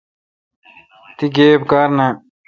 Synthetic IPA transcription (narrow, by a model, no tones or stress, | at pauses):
t̪iɡeːbkaːɾna